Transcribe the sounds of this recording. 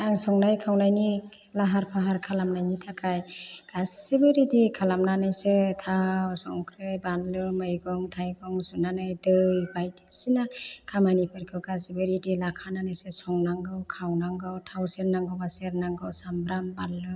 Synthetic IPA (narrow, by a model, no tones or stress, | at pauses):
aŋsɔŋnajkʰawnajni | laɦaɾpʰaɦaɾkʰalamnajnitʰakʰajɡ̥assebɯɾidikʰalamnanɯjsetʰawsɔŋkʰɾejbanlɯmɯjɡɔŋtʰajɡɔŋsunanɯjdɯjbajdi̥sinakʰamanipʰɯɾkʰɯɡasibɯɾidilakʰananɯjsesɔŋnaŋɡɯwkʰawnaŋɡɯwtʰawseɾnaŋɡɯwbaseɾnaŋɡɯwsambɾambanlɯ